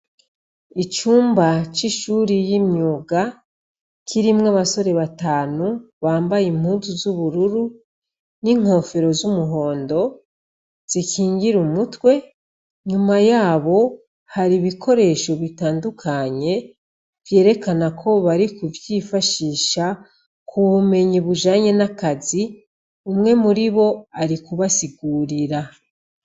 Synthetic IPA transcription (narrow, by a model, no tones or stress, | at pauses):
it͡ʃuːmbat͡ʃiʃuːɾijimɲjuːɡa | kʰiɾimŋaβaso̞ɾe̞βataːnuβaːmbajim̥huːzuzuβuɾuɾu | niŋ̥ho̞fe̞ɾo̞zumuɦo̞ːndo̞ | z̥ikiːŋɡiɾumutwe̞ | ɲumajaːβo̞ | haɾiβikʰo̞ɾe̞ʃo̞βitaːndukʰaɲe̞ | vje̞ːɾe̞kanakʰo̞βaɾikuvjiːfaʃiːʃa | kʰuβume̞ɲiβuʒaːɲe̞nakazi | umŋe̞muɾiβo̞aɾikuβasiɡuːɾiɾa